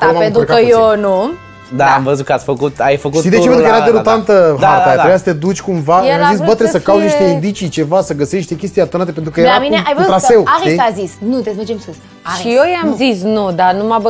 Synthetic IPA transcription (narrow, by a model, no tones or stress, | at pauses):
d̪amapẽnt̪ɾukaɐewnũ | d̪aamvəzut̪kat͡ssʲfəkut̪ajfəkuʃid̪eepenkeɾad̪eɾut̪ant̪əɦ̪at̪ajat̪ɾebejasə̥t̪ed̪ut͡ʃʲkumvaamzis̬bət̪ɾesəkawuzniʃt̪eind̪it͡ʃit͡ʃevasəɡəseʃt̪ekʲest̪ijat̪onat̪epent̪ɾukəjeɾamineajvəzut̪ɾasewaeazisnũt̪ezmɐd͡ʒemsos | aʃiejamzisnũd̪anũmab